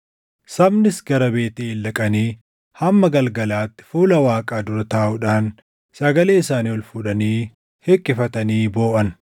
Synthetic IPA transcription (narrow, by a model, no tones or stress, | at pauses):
sɐbnɪsɡɐɾɐbe̞ːt̪eːɪlːɐkʼɐniː | hɐmːɐɡɐlɡɐlaːt̪ːɪ̥fuːlɐwaːkʼaːd̪ʊɾɐt̪aːʔʊᶑaːn | sɐɡɐleːɪsaːniːɔlfʊᶑɐniː | hɛkʼːɪfɐt̪ɐniːbo̞ːʔɐn